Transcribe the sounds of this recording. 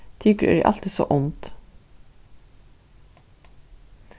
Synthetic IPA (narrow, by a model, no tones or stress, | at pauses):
t̪ʰɪːkɾæ̰ɾḭːʔɑ̰lt̪ɪso̰ːʔʊnt̪